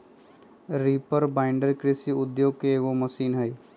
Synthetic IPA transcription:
ɾiːpəɾbaːɪ̃ɳɖəɾkɾɪsiʊd̪joːɡ̚keːɡomɐsiːnɦɐj

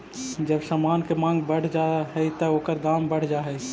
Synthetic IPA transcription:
d͡ʒəbsamankemãŋɡbəɽ̤d͡ʒaɦəjt̪əoːkəɾd̪ambəɽ̤d͡ʒaɦəj

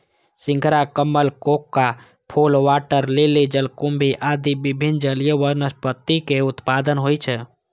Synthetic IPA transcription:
sɪ̃ŋkʰɾakəmːəlkokːa | pʰolʋaʈəɾleled͡ʒəlkumbʱiʔad̪ibibʱind͡ʒəlijəʋəɾnəspət̪ːikeʊt̪pad̪ənɦojt͡ʃʰɛ

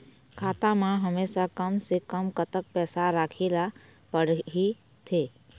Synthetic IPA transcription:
kʰaːt̪amãɦəmeːsakəmsekəmkət̪ək̚pɛːsaɾaːkʰeːlapəɽɦi | t̪ʰeː

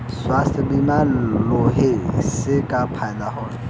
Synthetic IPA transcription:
swasɪbimalʊhɪsɪkʼapʰaɪlahɔːn

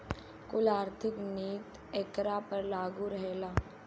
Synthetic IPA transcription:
kʊlaːɾt̪ʰɪkniːt̪ | ekɾaːpəɾlaːɡuɾəɦelaː

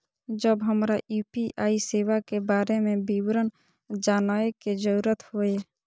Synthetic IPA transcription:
d͡ʒəbɦəmɾaʔjuːpiʔaːiseːwakebaːɾemẽbiwɾən | d͡ʒaːnaːeked͡ʒəɾuːɾət̪hoe

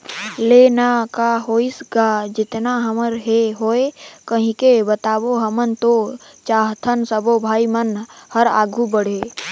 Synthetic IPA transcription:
leːnakaɦoːisɡad͡ʒɪt̪naɦəməɾɦeɦoːekəɦĩkebət̪aːboɦəmənt̪o | t͡ʃaːɦt̪ʰənsəbobʱaːimənhəɾa̰ːɡʱubəɽ̤eː

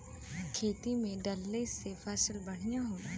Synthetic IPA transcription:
kʰeːt̪imẽɖɐlːeːsefʰɛːsɪlbɐɽ̤ijaɦoːaː

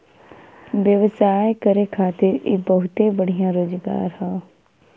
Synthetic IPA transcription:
ʋjəʋsaːekəɾeːkʰaːt̪ɪɾeːbəɦʊt̪eːbəɽijãːɾoːzɡa̰ːɾhãː

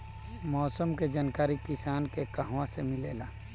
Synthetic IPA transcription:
mɔːsəmked͡ʒaːnkaːɾikɪsaːnkekɐɦwãsemɪleːlaː

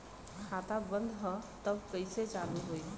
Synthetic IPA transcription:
kʰaːt̪abə̃nd̪ʱɦə̃t̪əbkəɪset͡ʃaːluɦoi

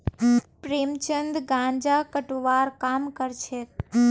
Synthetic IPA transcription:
pɾeːmt͡ʃənd̪ɡãɲd͡ʒakəʈʋaɾkaːmkəɾt͡ʃʰe

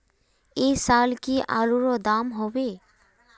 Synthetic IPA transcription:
esalkiʔa̰luɾɔd̪amɦɔbe

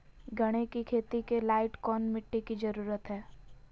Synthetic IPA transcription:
ɡʱɐɽ̃ekikʰeːt̪ikelaːɪʈkɔːnmɪʈːikid͡ʒɐɾuːɾət̪ɦɛː

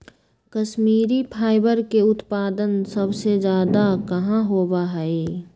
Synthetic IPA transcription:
kɐʃmiːɾipʰaːɪbəɾkeʊt̪paːd̪ənsəbsed͡ʒjaːd̪akɐɦãɦoːbaɦɛi

